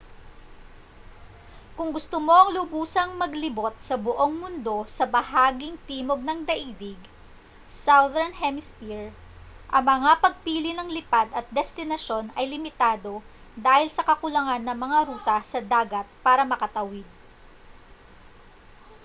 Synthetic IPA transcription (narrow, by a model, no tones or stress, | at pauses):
kʊŋɡʊst̪omo̞ʔɐŋlʊbuːsɐŋmɐɡlɪbo̞t̪̚sɐbʊʔo̞ŋmʊnd̪o̞sɐbɐhaːɡɪŋt̪iːmo̞ɡ̚nɐŋd̪ɐʔiːd̪ɪɡ | sawðɛnhɛmɪspiɹ | ʔɐŋmɐŋapɐɡ̚piːlɪnɐŋlɪpad̪ɐt̪̚d̪ɛst̪ɪnɐʃo̞nɐjlɪmɪt̪aːd̪o̞ | d̪aːhɪlsɐkɐkʊlɐŋanːɐŋmɐŋaɾuːt̪ɐsɐd̪aːɡɐt̪̚paːɾɐmɐkɐt̪ɐwɪd̪̚